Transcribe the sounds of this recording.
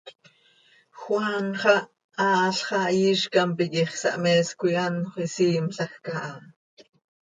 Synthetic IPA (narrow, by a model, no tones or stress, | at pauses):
xwanχɑ | ɑːɬχɑjiʃkɑmpikiχsɑ̰ʔmɛːskʷijanχʷisiːmɬɑxkɑʔɑ